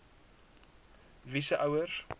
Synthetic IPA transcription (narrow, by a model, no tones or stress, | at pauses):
visəʔawərz